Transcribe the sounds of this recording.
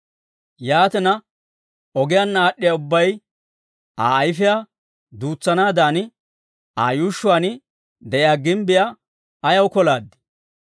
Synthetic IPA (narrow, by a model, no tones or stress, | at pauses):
jaːt̪ɛnɐ | ɔɡɪjanːaːɗːɪjaʊbːɐj | a̰ːɐjfɪja | d̪uːt͡sːɐnaːd̪aːnɪ | aːjuːʃːʊaːnɪ | d̪ɛjaːɡɪmbɪjaː | jɐwkɔlaːd̪ːɪ̥